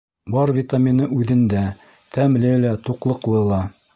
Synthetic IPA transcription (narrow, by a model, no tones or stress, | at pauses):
bɑɾvʲit̪amʲinɤʔʉðɘ̆nd̪æ | t̪ʰæmlɘlæt̪uqlˠɤ̆qlˠɤlˠɑ